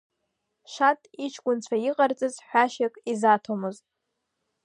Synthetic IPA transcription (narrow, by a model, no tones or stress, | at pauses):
ʃatʼit͡ʃʰɡʷʼʊnt͡ɕʷʰaiqʼart͡sʼɨzħʷᶣaʃakʼizatʰomɨztʼ